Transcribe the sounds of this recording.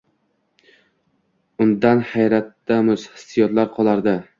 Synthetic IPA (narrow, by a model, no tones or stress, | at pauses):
ʊnd̪anhajɾat̪ːamʊshɪ̥sɪjɒt̪laɾqʰɒlˠaɾd̪ɪ